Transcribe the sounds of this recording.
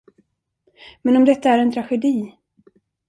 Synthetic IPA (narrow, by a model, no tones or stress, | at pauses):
mɛnɔmd̪ɛt̪ːaæɾɛnt̪ʰɾaɧɛd̪iː